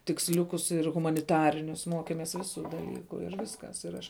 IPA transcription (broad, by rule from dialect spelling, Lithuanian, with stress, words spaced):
tʲɪksʲˈlʲʊkʊs ɪr ɣʊmɐnʲɪˈtɑːrʲɪnʲʊs ˈmoːkʲɛmʲɛs ˈʋʲɪˌsʊ dɐˈlʲiːkʊ ɪr ˈʋʲɪskɐs ɪr ˈɐʃ